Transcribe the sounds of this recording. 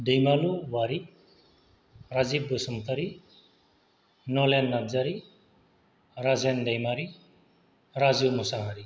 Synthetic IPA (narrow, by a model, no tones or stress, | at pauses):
dejmaluwaɾi | ɾazibːɯsɔmt̪ʰaɾi | nɔlenːazaɾi | ɾazendejmaɾi | ɾazumusaɦaɾi